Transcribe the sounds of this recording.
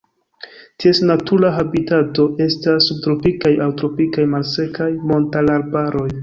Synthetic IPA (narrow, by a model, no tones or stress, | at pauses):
tiesnatuɾaɦabitato̞e̞stasːub̚tɾo̞pikajawtɾo̞pikajmalse̞kajmo̞ntalaɾbaɾo̞j